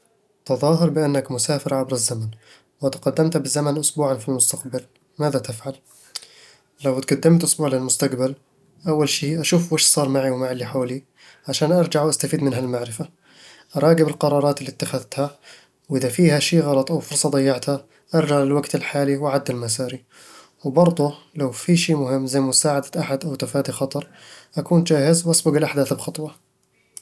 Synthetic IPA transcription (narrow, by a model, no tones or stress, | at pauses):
t̪ɨðˤɑːɦɪɾˤbɪʔanːakmʊsaːfɪɾʕabɾazːaman | wat̪aqɑd̪ːamt̪habɪzːamanʔʊsbuːʕanfilmʊst̪aqbal | maːðat̪ɪfʕal | lawt̪̚ɡad̪ːɪmt̪ʔʊsbuːʕlɪlmʊst̪aqbal | ʔawːalʃiːʔaʃuːfwɪːʃsˤɑːɾˤmaʕiwmaʕɪlːiħoːli | ʕaʃaːnʔɑɾˤd͡ʒaʕwʔast̪afiːd̪mɪnɦalmaʕɾɪfa | ʔɑɾˤɑːɡɪbɪlqɑɾˤɑːɾˤɑːt̪ɪlːiːt̪ːaxaðt̪ha | wʔɪðafiːhaʃiːɣɑlɑt̪ˤʔawfʊɾˤsˤɑd̪ˤɑjːɑʕt̪ha | ʔɑɾˤd͡ʒaʕɪlwaɡt̪ɪlħaːliwʔaʕad̪ːɪlmasaːɾi | wbɑɾˤd̪ˤu | lawfiʃiːmʊhɪmːzajːmʊsaːʕad̪aʔaħad̪ʔawt̪afaːd̪ixɑt̪ˤɑɾˤʔakuːnd͡ʒaːhɪzwʔasbʊɡɪlʔaħd̪aːθbxɑt̪ˤwɑ